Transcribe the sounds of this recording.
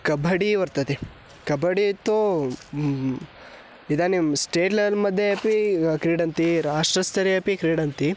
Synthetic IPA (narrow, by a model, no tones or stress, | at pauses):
kɐbʱɐɽiʋɐɾt̪ɐt̪i | kɐbʱɐɽit̪ːo | id̪anisʈeːʈleʋɐlmɐd̪ʱjeɐpikɾiːɽɐnt̪iɾaːʂʈɾɐst̪ɐɾiɐpikɾiːɽɐnt̪i